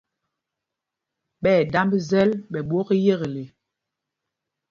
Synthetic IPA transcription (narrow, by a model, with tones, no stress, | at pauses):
ɓɛ˦˨da˦mbzɛ˦lɓɛ˨ɓwo˦ɣe˦je˦˨ɣe˨le˨